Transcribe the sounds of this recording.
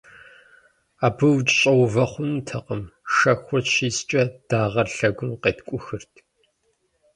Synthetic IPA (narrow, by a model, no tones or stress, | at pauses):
aːbɨwt͡ʃʼɕʼɐwvɐχʷʊntʰɐqəmʃɐxʷɔʃiːst͡ʃʼɐd̥aːʁɐrɬɐɡʷʊmqeːtkʷʼʊxɨrtʰ